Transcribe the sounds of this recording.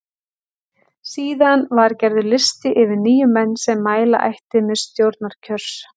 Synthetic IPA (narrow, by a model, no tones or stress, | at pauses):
siːðanvaɾcɛɾðʏlɪst̪ɪʔɪvɪɾniːjʏmɛnːsɛmːaːjla̰ʔa̰jht̪ɪmɛðst̪jowɾt̪̚naɾ̥cʰœɾ̥s